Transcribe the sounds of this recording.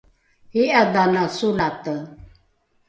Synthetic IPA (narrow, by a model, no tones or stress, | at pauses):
hiʔad̪anasulat̪ə